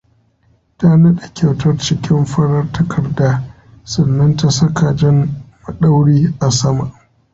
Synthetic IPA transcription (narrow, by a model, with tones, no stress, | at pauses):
taː˦nɐ˦ɗa˨kʲʰa˨wtʰɐ˦rt͡ʃɪ˦kʲɪ˦mɸɐ˦ɽɐ˦rtɐ˦kʰɐ˨rdaː˦ | sɐ˨nːɐ˦nta˨sɐ˦ka˨d͡ʒɪ˦mmɐ˨ɗa˦wɽiː˦ʔa˨sɐ˦ma˨ʔ